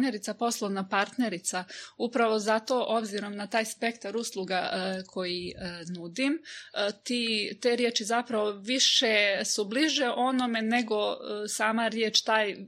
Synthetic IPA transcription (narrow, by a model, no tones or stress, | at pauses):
ne̞ɾit̪sapo̞slˠoʋnapaɾt̪ne̞ɾit̪saupɾaʋo̞zat̪o̞ʔo̞bziɾo̞mnat̪aːjspe̞kt̪aɾuslˠuɡakʰo̞jinud̪imt̪iːt̪e̞ɾjeːt͡ʃizapɾaʋoʋiʃesubliʒe̞ʔo̞no̞me̞ne̞ɡo̞saːmaɾjeːt͡ʃt̪aːj